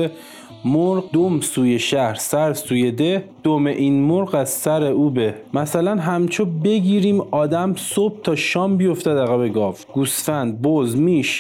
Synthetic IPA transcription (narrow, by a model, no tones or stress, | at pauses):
e | moɾɢd̪omsuːjeʃæhɾsæɾsuːje̞d̪ed̪̥omeʔiːnmoɾɢæz̥sæɾeuːbemæsælænɦæmt͡ʃʰobe̞ɡiːɾiːmɒːd̪æmsob̥̚t̪ʰɒːʃɒːmbijoft̪æd̪æɣæbeɡɒːfɡ̥usfænd̪̚bozmiːʃ